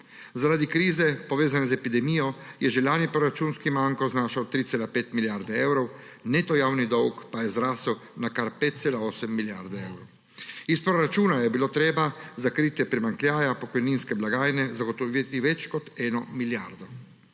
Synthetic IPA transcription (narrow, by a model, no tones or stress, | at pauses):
zaɾad̪ikɾiːzɛpɔʋeːzanɛzɛpid̪ɛmiːjɔjɛʒɛlaːnipɾɔɾat͡ʃuːnskimaŋkɔznaːʃawt̪ɾit̪seːlapeːt̪miljaɾd̪ɛɛwɾɔw | net̪ɔjaːwnid̪ɔwkpajɛzɾaːsuwnakaɾpeːt̪̚t̪seːlaoːsɛmːiljaɾd̪ɛɛwɾɔw | ispɾɔɾat͡ʃuːnajɛbiloːt̪ɾeːbazakɾiːt̪jɛpɾimaŋklʲjaːjapɔkɔjninskɛblaɡaːjnɛzaɡɔt̪ɔʋit̪iʋɛt͡ʃkɔt̪ɛːnɔmilja̰ɾd̪ɔ